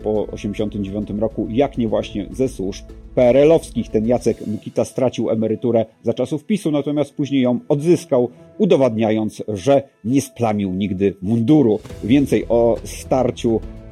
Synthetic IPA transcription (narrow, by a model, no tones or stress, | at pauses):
pɔɔ̰ɕɛmd͡ʑeɕɔnt̪ɘmd͡ʑevʲjɔnt̪ɘmɾɔkujakɲɛvwaɕɲɛ̰zɛswuʂppɛɾɛlɔfskʲixt̪ɛnjat̪sɛkmukʲit̪ast̪ɾat͡ɕiwɛmɛɾɘt̪uɾɛzat͡ʂasufpʲisunat̪ɔmʲast̪̚puʑɲejːɔ̃w̃ɔd̪zɘskaw | ud̪ɔvad̪ɲajɔnt̪sʐɛɲɛsplamʲiwɲiɡd̪ɘmund̪uɾuvʲjɛnt̪sɛjʔɔst̪aɾt͡ɕu